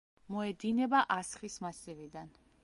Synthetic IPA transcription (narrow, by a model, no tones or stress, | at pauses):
mɔɛd̪inɛbaʔasχismasivid̪an